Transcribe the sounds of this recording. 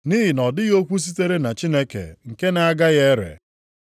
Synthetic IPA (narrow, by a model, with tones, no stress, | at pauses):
ni˦ɦi˨nɔ˨dɪ˦ɣo˦kʷu˦s̬i˦te˦ɾe˦na˨t͡ʃi˦ne˦kḛ˨ŋ̩˨ke˦na˦a˦ɡa˦ɣe˦ɾḛ˨